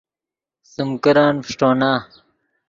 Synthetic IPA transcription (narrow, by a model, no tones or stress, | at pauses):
sumkɐɾaːnfiʂʈoːnaː